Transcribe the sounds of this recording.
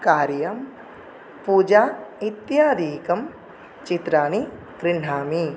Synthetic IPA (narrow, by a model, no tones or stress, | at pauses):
kaːɾjɐm | puːd͡ʒaːit̪jaːd̪iːkɐm | t͡ʃit̪ɾaːni | kɾɪɳ̤aːmi